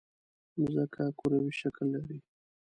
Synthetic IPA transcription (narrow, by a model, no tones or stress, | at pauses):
mʊzakakoɾawiʃaklːaɾi